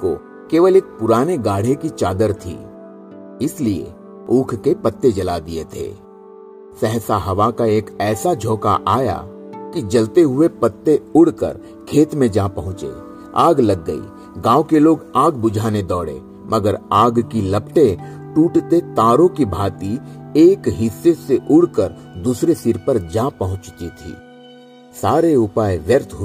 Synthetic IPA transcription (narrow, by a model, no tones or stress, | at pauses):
ko̰ | keːʋəleːk̚pʊɾaːneɡaːɽ̤ekit͡ʃaːd̪əɾt̪ʰḭː | ɪsliḛ | uːkʰkepɐt̪ːed͡ʒɐlad̪iḛt̪ʰḛː | sɛɦsaɦɐʋakaeːkɛːsad͡ʒʱoːka̰ʔa̰ːja̰ | kid͡ʒɐlt̪eɦʊepɐt̪ːeʊɽkə̰ɾ | kʰeːt̪mẽd͡ʒaːpɐɦʊ̃t͡ʃḛː | a̰ːɡlɐɡːəḭː | ɡãːwkeloːɡaːɡbʊd͡ʒʱaːned̪ɔːɽḛː | mʔɐɡəɾaːɡkilɐpʈẽ | ʈuːʈt̪et̪aːɾõkibʱaːt̪ieːkɦɪsːeseʔʊɽkəɾ | d̪uːsɾesɪɾpəɾd͡ʒaːpɐɦʊ̃t͡ʃt̪it̪ʰḭː | saːɾeʊpaːjʋjəɾt̪ʰɦ